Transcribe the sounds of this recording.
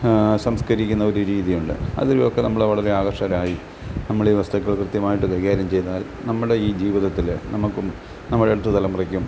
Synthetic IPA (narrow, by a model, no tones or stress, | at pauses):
sɐmskɐɾikʲːunːɐo̞ɾuɾiːðijuɳɖɨ̰ɐ̰ðiɾujokːe̞nɐmːɐɭeʋɐɭɐɾe̞aːɣɐrʂɐɾaːji | nɐmːɐɭiːʋɐst̪ɐkːɐɭkrɨt̪jɐmaːjiʈːɨkɐjɣaːɾjɐmt͡ɕe̞jnːaːlnɐmːɐɽe̞iːd͡ʑiːʋiðɐt̪ːilnɐmukːum | nɐmːɐɽeɽut̪ːɨt̪ɐlɐmurɐkʲːum